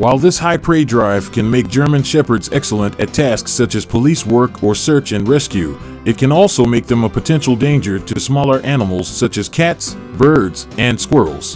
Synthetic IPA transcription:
waɪlˠðɪshaɪpʰɹ̥eɪdɹaɪv̥kʰɨ̃nmeɪk̚d̥ʒ̥ɜ˞mɨ̃nʃɛpə˞dzɛksl̩ˠə̃ntɨtʰæsksʌt͡ʃɨz̥pʰəliswɜ˞kʰə˞sɜ˞t͡ʃɨ̃nɹɛskjʉ | ɨt̚kʰɨ̃nɔlˠsoʊmeɪk̚ðɨ̃məpʰɨtʰɛ̃nʃl̩ˠdẽɪ̃nd͡ʒə˞ɾɨsmɔlˠə˞ʔænəml̩ˠz̥sʌt͡ʃɨz̥kʰæts | b̥ɜ˞dz̥ɨ̃nskwɜ˞l̩ˠz̥

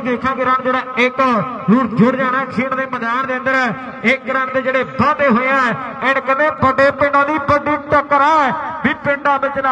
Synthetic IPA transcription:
d̪eːkʰãːɡ̪ʊɾãːnd͡ʒeːɽaːɪk | ɾuːɾd͡ʒʊɽd͡ʒaːɽãːt͡ʃʰiːɳd̪eːməzaːɾd̪eːə̃nd̪əɾɛː | ɪk̚ɡɾaːnd̪eːd͡ʒeːɽeːbaːd̪eːɦoːjãːɛ̃ːɛnkəd̪ẽːbəɖeːpɪ̃ɳɖãːd̪iːbəɖiːʈəkːəɾaːɛːbiːpɪ̃ɳɖãːbɪt͡ʃna

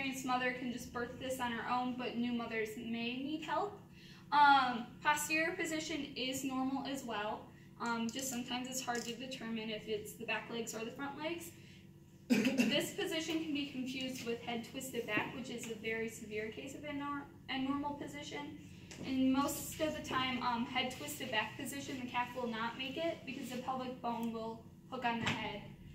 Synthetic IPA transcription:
ɹismʌðə˞kʰɨ̃nd͡ʒʌsb̥ɜ˞θðɪsn̩ə˞ʔõʊ̃nbʌtⁿnʉmʌðə˞zmeɪnid̚hɛlˠp | ʌpʰɹ̥ɑstɛɹpʰɨzɪʃɨ̃nɪznɔɹml̩ˠɨzwɛlˠ | ʔʌ̃d͡ʒʌstsʌ̃mtʰãɪ̃mzɨz̥hɑɹd̚tɨdɨtʰɜ̃˞mɨ̃nɪfɪtsðɨbæklɛɡzə˞ðɨfɹʌ̃nʔleɪɡz̥ | ðɪspʰɨzɪʃɨ̃nkʰn̩bikʰɱfjʉzd̚wɪð̥hɛd̚tʰw̥ɪstɨd̚bækwɨt͡ʃɨzɨvɛɹisɨvɪɹkʰeɪsʌvɨ | ʔɨnɔɹml̩ˠpʰɨzɪʃɨ̃n | ʔɨ̃nmoʊstʌvðɨtʰãɪ̃mʔʌ̃mhɛd̚tʰw̥ɪstɨd̚bæk̚pʰɨzɪʃɨ̃nðɨkʰæfwlˠnəʔ̚meɪkɪt̚b̥ɨkʰʌzɨpʰʌblɨk̚b̥õʊ̃nwɪlˠ | hʊkn̩ðɨhɛd̥̚

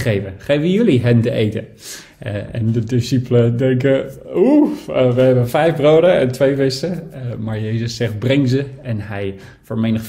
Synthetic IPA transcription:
χejvəχejvənjɵliɦɛntəʔejtə̰ | ɛ̰ndədɪsipələdɛŋkəuʋəɦɛbənvɛjfbrowdəɛ̰ntʋejvɪsəmaːɹjejzəsːɛχt̚brɛŋzəɛnɦɛj | fəːɹmejnəχ

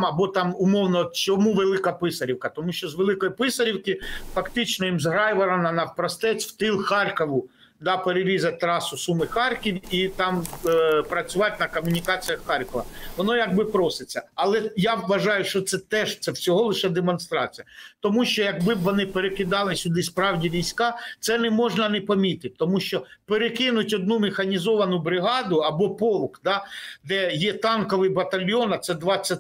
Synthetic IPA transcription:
mɐbɔt̪ɑmʊmɔwnɔt̪t͡ʃɔmuʋelˠɪkɐpɪsɐɾʲiwkɐt̪ɔmuʃt͡ʃɔzʋelˠɪkɔjipɪsɐɾʲiwkɪfɐkt̪ɪt͡ʃnɔjimzɦɾɑjʋɐɾɐnɐnɐwpɾɔst̪ɛt͡sʲw̥t̪ɪlˠxɑrʲkɐʋʊ | d̪ɑpeɾeʋʲizɐt̚ʲt̪ːɾɑsʊsumɪxɑrʲkʲiʋʲit̪ɑmpɾɐt͡sʲʊʋɑt̪ʲnɐkɔmʊnʲikɑt͡sʲijɐxːɑrʲkɔʋɐ̰ʋɔnɔjɐɡ̚bɪpɾɔsɪt͡sʲːɐɐlˠɛjaʋɐʒɑjʊʃt͡ʃɔt̪sɛt̪ɛʒt̪sɛwsʲɔɦɔlˠɪʃɛd̪emɔnst̪ɾɑt͡sʲijɐt̪ɔmuʃt͡ʃɔjɐɡ̚bɪbʋɔnɪpeɾekɪd̪ɑlˠɪsʲʊd̪ispɾɑwdʲiʋʲijsʲkɑt̪sɛnɛmɔʒnɐnɛpɐmʲit̪ɪt̪ɔmuʃt͡ʃɔpeɾekɪnʊtʲɔd̪̚numexɐnʲizɔʋɐnʊbɾɪɦɑd̪ʊɐbɔpɔlˠkd̪ɑd̪ɛjɛt̪ɑnkɔʋɪbɐt̪ɐlʲjɔnɐt̪sɛd̪ʋɑt͡sʲːɐt̚ʲ

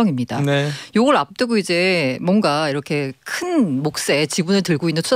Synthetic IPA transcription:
ʌŋimɲida̰nejoɡʌɾap̚t͈ɯɡoid͡ʑe̞mwʌŋɡaiɾʌkʰe̞kʰɯnmok̚s͈e̞t͡ɕibunɯɭtɯɭɡoinːɯnsʰu

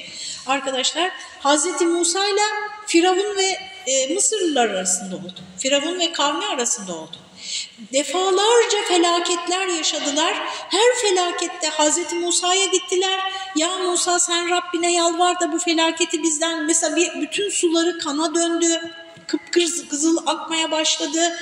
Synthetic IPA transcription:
aɾkad̪aʃlˠaɾ̥ | hazɾet̪ʰimuːsajlˠafiɾavunvɛmɯsɯɾllˠaɾaɾasɯnd̪ao̞̰lˠd̪ʊfiɾavunvɛkʰavmɛaɾasɯnd̪ao̞lˠd̪ʊ | d̪efaːlˠaɾd͡ʒafe̞lʲaːcʰɛt̪lʲæɾjaʃad̪ɯlˠaɾ̥hæɾfe̞lʲaːcʰɛt̪ːɛhazɾet̪ʰimuːsaːjaɟit̪ʰːilʲæɾ̥ | jaːmuːsaːsænɾab̚binɛjalˠvaɾd̪abufe̞lʲaːcʰe̞t̪ʰibizd̪ænmɛselaːbibyt̪ʰynsulˠaɾɯkʰanad̪ønd̪y | kʰɯp̚kʰɯɾzɡɯzɯlˠak̚majabaʃlˠad̪ɯ

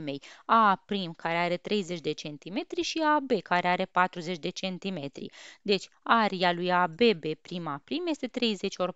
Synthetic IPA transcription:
me̞japɾimkaɾe̞aɾe̞t̪ɾe̞jze̞t͡ʃd̪e̞t͡ʃe̞nt̪ime̞t̪ɾiʃiabe̞kaɾe̞aɾe̞pat̪ɾuze̞t͡ʃʲd̪e̞t͡ʃe̞nt̪ime̞t̪ɾḭd̪e̞t͡ʃʲaɾialujabe̞be̞pɾimapɾimje̞st̪e̞t̪ɾe̞jze̞t͡ʃʲo̞r

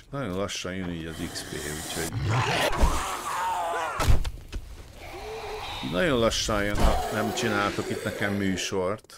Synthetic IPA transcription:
nɒjo̞nlɒʃːɒnjøniːɟɒzikspḛːucho̞ɟ | itnɒɟo̞nlɒʃːɒnjønnɛmt͡ʃinaːlt̪o̞kit̪nɛkɛmːyːʃo̞rt̪

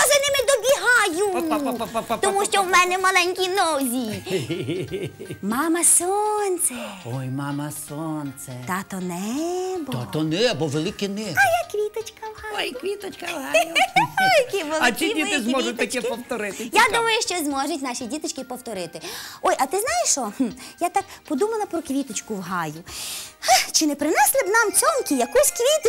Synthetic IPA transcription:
ɐzɐnɪmɪd̪ɔbʲiɦajupaɐpɐpapt̪ɔmuʃt͡ʃɔwmɛnɛmɐlˠɛnʲkʲinɔzʲi | mamɐsɔnt̪sɛɔjmamɐsɔnsɛt̪at̪ɔnɛb̪at̪ɔnɛbɔʋelˠɪkɪnɪajakʋʲit̪ɔt͡ʃkɐwhajkʋʲit̪ɔt͡ʃkɐajʊjkʲibʊlˠt͡ʃiiɪzmɔʒʊtʲt̪ɐt͡ʃkɛɪpɔwt̪ɔɾɪt̪ɪjad̪umɐjʊʃt͡ʃɔzmɔʒʊtʲnɑʃʲidʲit̪ɔt͡ʃʲkɪpɔft̪ɔɾɪt̪ɪɔjʔɐt̪ɪznɑjeʃɔh̩jat̪ɑkpɔd̪umɐlˠɐpɾɔkʋʲit̪ɔt͡ʃkʊwɦɑjʊat͡ʃɪnɛpɾɪnɛslʲɪbnɑmsɔmkʲijɐkusʲkʋʲit̪ʊ

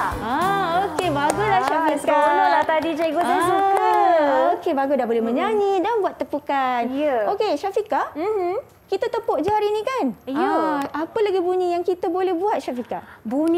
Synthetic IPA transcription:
aokebaɡulahʃafikalat̪adid͡ʒaiɡosaukəokebaɡudabolɛhmə̃ɲaɲidanbuat̪ːəpukanjəokeʃafikam̩ | kit̪ət̪əpoʔd͡ʒaɾinĩkanjəapəlaɡibuɲĩjaŋkit̪abolɛhbuat̪̚ʃafikabuɲ

